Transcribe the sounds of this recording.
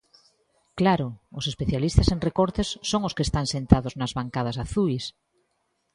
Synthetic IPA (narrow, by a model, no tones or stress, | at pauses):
klaɾʊːsespeθjalist̪aseŋrekoɾt̪esːoŋoskest̪aŋsent̪aðoznazβaŋkað̞asaθujs